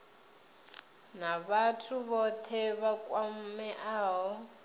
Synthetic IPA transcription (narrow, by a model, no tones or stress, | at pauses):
naβatʰuβɔt̪ʰɛβakʼwam̩mɛʔaːɦɔ